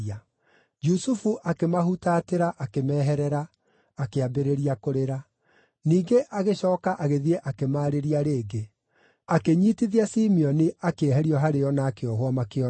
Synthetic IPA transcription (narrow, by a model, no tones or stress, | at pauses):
a | d͡ʒusufuʔakemaɦutateɾaʔakemɛːɦɛɾɛɾaː | keabeɾeɾiakoɾeɾa | niːɡeʔaɣeɕɔːkaʔaɣeðieʔakemaːɾeɾiaɾeːɡe | akeɲiːtiðiasimiɔniakeɛɦɛɾiɔɦaɾeɔnaːkeɔɦwamakeɔ